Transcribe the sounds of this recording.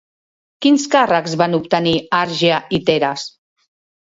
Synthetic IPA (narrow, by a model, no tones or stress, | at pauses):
kinskarəkzβanupt̪əniaɾʒait̪eɾas